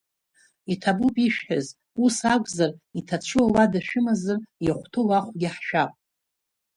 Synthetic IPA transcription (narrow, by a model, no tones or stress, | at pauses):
itʰabupʼiʃᶣħaz | usakʷʼzaritʰat͡ʃʷʰiwaladaʃᶣɪmazɨrjaχʷtʰɨlaχʷɡʲɪħʃᶣapʼ